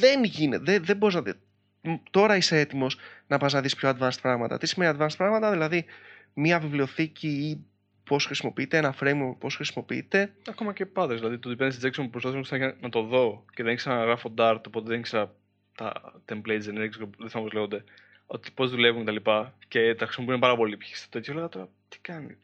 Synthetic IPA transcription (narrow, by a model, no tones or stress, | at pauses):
ðenʝineðeðebo̞iznɐte | t̪o̞ɾɐisee̞t̪imo̞snɐpɐznɐðispço̞ɐd̪vɐnst̪i̥pɾɐɣmɐt̪ɐ̰t̪isime̞niɐd̪vɐnst̪i̥pɾɐɣmɐt̪ɐðilɐðimiɐvivlio̞θicʰii | po̞sxɾisimo̞piit̪eenɐfɾejmpo̞sxɾisimo̞piḭt̪e̞ɐko̞mɐcepɐd̪ezðilɐðit̪ot̪ipendesd͡zeksompupɾospaθsɐmosnɐt̪o̞ðo̞ce̞ðeniçksenɐɣɾɐfod̪ɐɾt̪opo̞t̪eðeniçkseɐ | t̪ɐ̰t̪emblejzeneɾksoðeθɐpoleɣod̪e̞ | o̞̰t̪i̥po̞zðulevuŋket̪ɐlipɐce̞t̪ɐxɾisimopiunepɐɾɐpo̞lipçi̥st̪ɐ̥t̪eçoleɐt̪oɾɐ | t̪i̥kɐnḭ